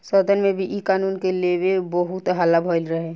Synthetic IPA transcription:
səd̪ʱənmẽbʱiʔikaːnuːnkelebebəɦut̪ɦalabʱɔɪlɾəɦẽ

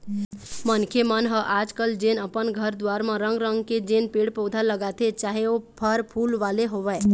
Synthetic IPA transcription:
mənkʰemənɦəʔaːd͡ʒkəld͡ʒeːnəpənɡʱəɾd̪waːɾmãɾə̃ŋɡɾə̃ŋɡked͡ʒeːnpeːɽpɔːd̪ʱaləɡat̪et͡ʃaːɦeopʰəɾpʰuːlʋaːleɦoʋɛ

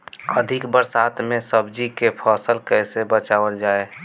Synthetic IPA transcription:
əd̪ʱɪkbəɾsaːt̪ʰmẽsəbd͡ʒikepʰɔːsəlkɛɦsebət͡ʃaːʋəld͡ʒaːe

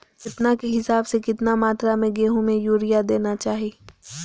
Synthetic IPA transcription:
kɪt̪nakeɦɪsaːbsekɪt̪namaːt̪ɾamẽɡeːɦõmẽjuːɾijad̪eːnat͡ʃaːɦieː

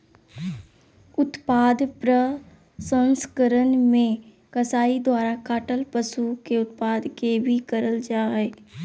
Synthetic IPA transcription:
ʊt̪paːd̪pɾə | sə̃nskəɾənmẽ | kəsaːid̪waːɾakaːʈəlpəsukeʊt̪̚paːd̪kebʱikəɾəld͡ʒaːeː

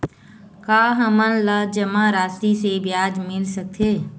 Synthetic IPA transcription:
kaːɦəmənləd͡ʒəmãɾaːst̪isebjaːd͡ʒmɪlsək̚t̪ʰeː

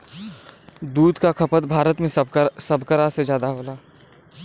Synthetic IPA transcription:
d̪uːd̪kakʰɐpət̪bʱaːɾət̪mẽsɐbʱkəɾased͡ʒjaːd̪aɦoːlaː

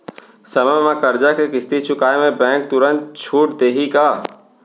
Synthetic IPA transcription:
səməjmãkəɾd͡ʒakʰekɪst̪it͡ʃʰʊkaːemẽbɛ̃ːk̚t̪ʊɾə̃nt̪̚t͡ʃʰuːʈd̪eːɦikaː

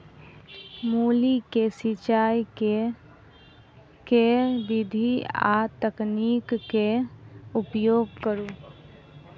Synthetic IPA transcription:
muːlikesit͡ʃaːjke | keʋɪd̪ʱia̰t̪əkniːkːeʊpjoːɡ̚kəɾuː

